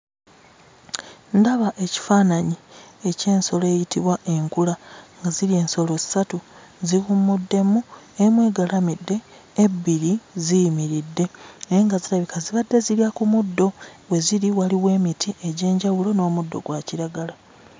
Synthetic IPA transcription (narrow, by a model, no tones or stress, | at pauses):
ndaβaʔe̞ci̥faːnaɲie̞ce̞ːnso̞le̞jitiβwaʔe̞ŋkulaŋɡazilie̞ːnso̞lo̞zi̥satu | ziɣumːudːe̞muemwe̞ːɡalamidːe̞ː | bːiɾizijimiɾidːe̞eŋɡaziɾaβikaziβadːe̞ziljakumudːo̞we̞ziɾiwaliwe̞ːmitʰiʔeɟe̞ːɲɟawulo̞no̞ːmudːo̞̰ɡwaciɾaɡala